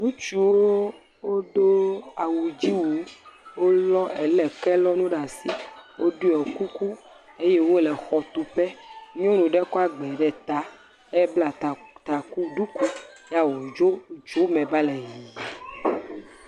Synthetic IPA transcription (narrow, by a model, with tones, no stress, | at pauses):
nũ˦t͡ʃu˨wo˦ | wo˦d̪o˦a˨wu˨d͡ʑi˦wo˨wo˦lɔ˦ɛ˨lɛ˨kɛ˦lɔ˦nũ˦ɖa˨si˨wʔo˦ɖu˦ɛ˨ku˦ku˦ | e˦je˦wo˦lɛ˨xɔ˨t̪u˨pɛ˦ɲɔ̃˦nũ˨ɖɛ˦kɔ˦a˨ɡ͡bɛ˨ɖɛ˨t̪a˨ | ɛ˦bla˨t̪a˨ku˦ɖu˦ku˦ja˦wo˨d͡ʒo˦d͡ʒu˨˦mɛ̃˨ba˦lɛ˨ji˨